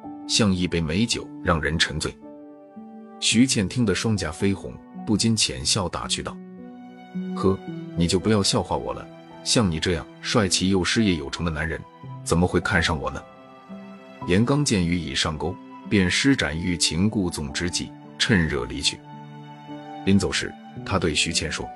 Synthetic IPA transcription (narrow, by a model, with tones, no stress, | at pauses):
ɕjɑ˥˧ŋi˥˩pe˥˩ɪme˧˥ɪt͡ɕjo˨˩˦ʊɻɑ˥˩ŋɻə˧˥nʈ͡ʂʰɤ˧˥ŋt͡swe˥˩ɪ | ɕy˧˥t͡ɕʰjɛ˥˩nt̪ʰi˥ŋd̪ə˨ʂwɑ˥ŋt͡ɕja˧˥fe˥ɪxʊ̰˧˥ŋ | pu˥˩t͡ɕi˥nt͡ɕʰjɛ̰˨˧˥nɕjɑ˥˩ʊt̪a̰˨˩t͡ɕʰy˥˧t̪ɑ˥˩ʊ | xɤ˥ni˨˩t͡ɕjo˥˩ʊpu˧˥jɑ˥˧ʊɕjɑ˥˧ʊxwa˥˩wɔ̰˨˩lə̰˦ | ɕjɑ˥˩ŋni˨˩ʈ͡ʂɤ˥˧jɑ̰˥˩ŋʂwa˥˩ɪt͡ɕʰi˧˥jo˥˩ʊʂɻ̩˥jɛ˧˥˩jo˨˩ʊʈ͡ʂʰɤ˧˥ŋd̪ə˧na˧˥nɻə˧˥n | t͡sə˨˩nmə˦xwe˥˧ɪkʰa˥˧nʂɑ˥˩ŋwɔ̰˨˩nə˦ | jɛ˧˥nkɑ˥ŋt͡ɕjɛ˥˩ny˧˥i˨˩ʂɑ˥˩ŋko˥ʊpjɛ˥˩nʂɻ̩˥ʈ͡ʂa̰˨˩ny˧˥˩t͡ɕʰi˧˥ŋku˥˩t͡sʊ˨˩ŋʈ͡ʂɻ̩˧˥t͡ɕḭ˨˩ | ʈ͡ʂʰə˥˧nɻɤ̰˥˩lḭ˧˥t͡ɕʰy̰˥˩ | li˧˥nt͡so˨˩ʊʂɻ̩̰˥˩ | t̪ʰa˥t̪we˥˩ɪɕy˧˥t͡ɕʰjɛ˥˩nʂwɔ̰˥